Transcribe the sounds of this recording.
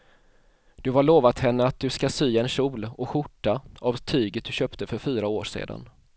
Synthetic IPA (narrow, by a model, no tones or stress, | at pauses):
d̪̥ɵɦaɭoːvat̪hɛnːəat̪̚d̪ɵskasyːaɛnɕuːlɔɧʊʈːaavt̪ʰyːɡət̪̚d̪ɵɕœːpt̪əfœɾfyːɾaoːʂḛːd̪a̰n